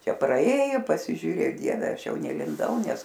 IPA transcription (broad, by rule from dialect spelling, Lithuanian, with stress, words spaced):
ˈt͡ʃʲɛ prɐˈeːjoː pɐsʲɪʒʲuːˈrʲeː ˈdʲiɛʋʲɛ ˈɐʃ ˈjɛʊ nʲɛlʲɪnˈdɐʊ ˈnʲɛs